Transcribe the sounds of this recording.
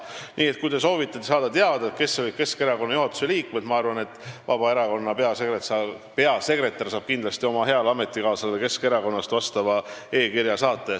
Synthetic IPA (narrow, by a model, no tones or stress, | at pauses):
nʔiːet̪̚kujd̪e̞so̞ːvit̪ːˑɑt̪ːesɑːd̪̥ɑt̪eɑd̪̥ɑet̪̚ke̞sːevɤjb̚ke̞ske̞ɾɑko̞nːɑjuɦɑt̪ːˑu̥se̞liːkmed̪̥mɑɑrvɑne̞t̪ːˑvɑb̥ɑe̞ɾɑko̞nːɑpeɑsekreɑ | peɑse̞kre̞t̪ːˑɑrsɑːb̥̚kind̪lɑst̪io̞mɑɦe̞ɑlɑme̞t̪ːˑikɑːsɑleke̞ske̞ɾɑko̞nːɑst̪vɑst̪ɑvɑe̞ːkiɾjɑsɑːt̪ˑːe̞